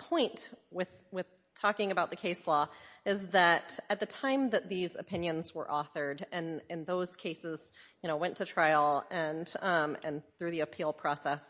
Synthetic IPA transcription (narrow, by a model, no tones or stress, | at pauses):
pʰɔ̃ɪ̃ntwɪð̥wɪð̥ | tʰɔkɪ̃ŋɨbaʊt̪̚ðɨkʰeɪslɔɪzðɨɾɨt̪̚ðɨtʰãɪ̃mðɨt̪̚ðizɨ̰pʰɪ̃njɨ̃nzwə̰˞ʔɔθə˞ɾɨ̃nɨ̃nðoʊz̥kʰeɪsɪz̥jɨñoʊwɛ̃ntʰɨtʰɹ̥aɪl̩ˠɨ̃nɨ̰̃nθɹʉðiɨpʰilˠpʰɹ̥ɔsɛs